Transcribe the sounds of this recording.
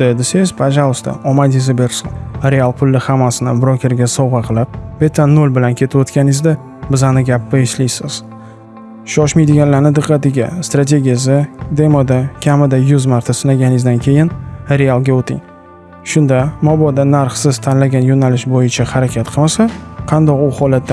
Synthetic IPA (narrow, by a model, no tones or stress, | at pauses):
d̪ed̪ɪsezpʰaʒalˠʊst̪a̰ɒmad̪izɪbe̞ɾsɪŋɾe̞alˠpʰʊlːɪhamːasɪnɪ̰bɾokʲʰe̞ɾɡʲasɒwʁɑqʰɨlˠɪp̚b̥et̪ʰːanːolbɪlankʲʰe̞t̪ʰɪbot̪kʲanɪzd̪ɪ | bɪzanɪɡʲapʰːɪɪʃlijsɪz̥ | ʃɒʃmajd̪ɪɡʲanlaɾnɪd̪ɨqːɑt̪ɪɡʲast̪ɾat̪̬ʰʲe̞ɡʲijas̬ɪd̪e̞mod̪akʲʰamɪd̪ajʊzmaɾt̪ʰasɪnlaɡʲanɪzd̪ankʲʰe̞jɪnɾe̞alˠɡʲaot̪ʰɪ̰ŋ | ʃʊnd̪amɒbɒd̪anaɾχsɪz̥t̪ʰanlaɡʲanjonalɪʃbojɪt͡ʃʰahaɾakʲʰat̪qʰɨlmasaqʰɑnd̪ɒqʊhɒlat̪ːa